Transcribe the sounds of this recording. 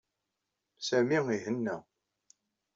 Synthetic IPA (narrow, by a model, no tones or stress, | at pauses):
sæmiiɦənːæ